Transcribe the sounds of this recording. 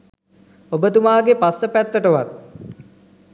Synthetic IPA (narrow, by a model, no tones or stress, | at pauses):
obət̪umaːɡepasːəpæt̪ːəʈəʋat̪̚